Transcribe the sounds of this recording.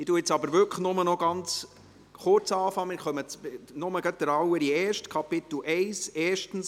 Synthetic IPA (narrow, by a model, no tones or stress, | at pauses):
ɪtuɪt͡sɑbəɾʋʏkəχnʊmənɔɡ̥ɑnt͡s | χʊɾt͡sɑːfɑŋmɪːχœmət͡snʊməɡɑt̚d̥̪əɾɑwəɾiɛːʃtkʰɑpɪt̪l̩ʔɛɪsɛːʃtn̩s